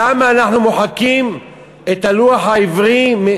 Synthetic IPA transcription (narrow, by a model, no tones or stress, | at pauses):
amaːnaħnumoħakim | et̪aluaħaivʁime